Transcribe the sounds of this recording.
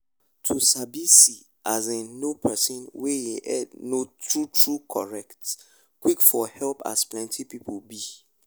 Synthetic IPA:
tʰusabisi | ʔazẽnopʰɛsɔ̃nwejeʔɛdnotʰɹutʰɹukʰɔɹɛkt | kwikfɔhɛlpa̰splɛ̃ntʰipipʰobi

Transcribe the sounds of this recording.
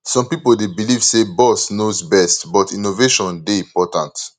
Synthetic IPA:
sɔ̃mpipoldebiliv̥sebɔsnozbɛstbɔtĩnoveʃɔ̃ndeĩmpɔtãnt

